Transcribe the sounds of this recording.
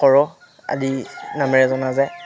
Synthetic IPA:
kɔɹɔ | a̰dinamɛɹɛzɔnazɛ

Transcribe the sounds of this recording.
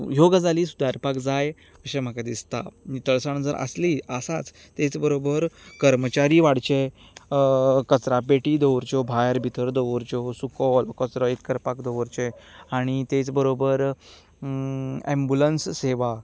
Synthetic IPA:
joɡad͡zaliːsud̪aɾpakd͡zaj | əɕẽm̤əkad̪ist̪a̰it̪əɭsaɳ̃əd͡zəɾʔə̰sliəsat͡s | t̪et͡sbəɾobəɾkəɾmət͡ɕaɾiʋaɽt͡ɕe | kət͡sɾapeʈiːd̪əʋɾt͡ɕɔbʱajəɾbʱit̪əɾd̪əʋɾt͡ɕɔsukɔlkət͡sɾəekːəɾpakd̪əʋɾt͡ɕeaɽ̃it̪et͡sbəɾobəɾ | ɛ̃mbulənsseʋa

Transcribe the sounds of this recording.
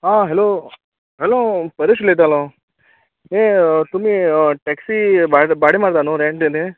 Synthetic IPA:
ɦãːɦeloː | ɦeloːpɐɾiʂlet̪alo | eːt̪umːiʈeːksibabaːɽimaːɽt̪aːnuɾeɳʈend̪e

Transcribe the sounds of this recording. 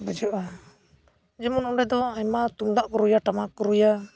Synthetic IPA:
bəd͡ʒɔʔa | d͡ʒɛmɔnɔmɖɛd̪ɔaɲmat̪umd̪aʔkɔɾujaʈamakɔɾuja

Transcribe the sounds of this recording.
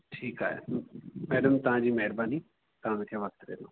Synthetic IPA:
ʈʰiːka̰ːḛmɛːɖəmt̪əɦãːd͡ʒiːmɛːɾbãːniː | t̪ãːmẽt̪ʰjaːʋəkt̪ɾḛːlõ̰ː

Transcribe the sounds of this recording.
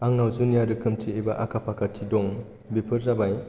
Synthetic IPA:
aŋnawzunijadɯkʰɯmtʰiebaʔakʰapʰakʰatʰidɔŋ | bipʰɯɾzabaj

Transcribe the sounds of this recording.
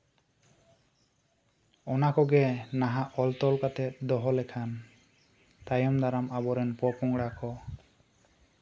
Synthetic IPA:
ɔnakɔɡɛnaɦaʔɔlt̪ɔlkat̪ɛt̪̚d̪ɔɦɔlɛkʰan | t̪ajɔmd̪aɾamabɔɾɛnpɔpɔŋɡɽakɔ

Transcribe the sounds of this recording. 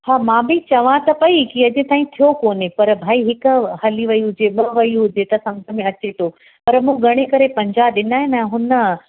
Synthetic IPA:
haːmãːbʱɪt͡ɕɐʋãt̪ɐpɐikiɐd͡ʑẽt̪aːĩt̪ʰijokoːnepɐɾbʱaːiɦɪkʊ̆hɐliʋɐiɦʊd͡ʑeɓɐʋɐiɦʊd͡ʑet̪ɐsɐ̃ŋɡʱəmẽɐt͡ɕet̪ʰo | pɐɾmũɡʱɐɽ̃ekɐɾepɐ̃ɲd͡ʑaːɗɪnaːɦɪnɛ̃ɦʊnə̆

